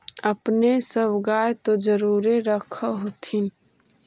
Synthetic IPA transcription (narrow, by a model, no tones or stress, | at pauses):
əpnesəbɡaːjet̪od͡ʒəɾuːɾeɾəkʰəɦot̪ʰin